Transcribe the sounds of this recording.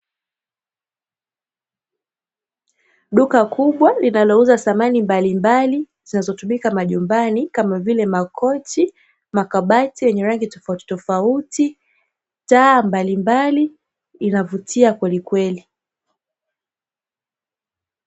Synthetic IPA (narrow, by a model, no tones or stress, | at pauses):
ɗukakuɓwalinalɔuzasamanimbalimbali | zinazɔtumikamaʄumbanikamavilɛmakʰɔt͡ʃi | makaɓatiwɛɲɛɾaŋɡitɔfauti̥tɔfauti | taːmbalimbali | inavutʰiakwɛlikwɛli